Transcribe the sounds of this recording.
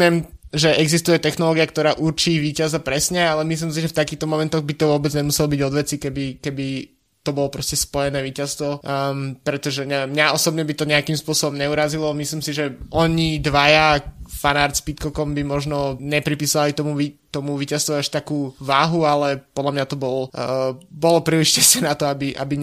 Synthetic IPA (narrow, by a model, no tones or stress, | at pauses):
ɪɛmʒɛɛɡzist̪ujɛt̪ɛxnɔlɔːɡiak̚t̪ɔɾaːʔuɾt͡ʃiːʋiːcazapɾɛsɲɛalɛmis̬lims̬iʒɛft̪akiːxt̪ɔmɔmɛnt̪ɔɣbit̪ɔʋʊɔbɛd͡zɲɛmusɛlɔbiɟɔd̪ʋɛt͡sikɛbikɛbi | t̪ɔbɔlɔpɾɔscɛspɔjɛnɛːʋiːcast̪ʋɔpɾɛt̪ɔʒɛɲɛɛmːɲaɔsɔbɲɛbit̪ɔɲɛakimspʊɔsɔbɔmɲɛuɾazilɔmislimsiʒɛɔɲid̪ʋajafanaːɾspit̪kɔkɔmbimɔʒnɔɲɛpɾipiːsalit̪ɔmuʋit̪ɔmuʋiːcast̪ʋɔaʃt̪akuːʋaːɦualɛpɔd̪lamɲat̪ɔbɔl | bɔlɔpɾiliʃcɛsɛnat̪ɔabiʔa̰biɲ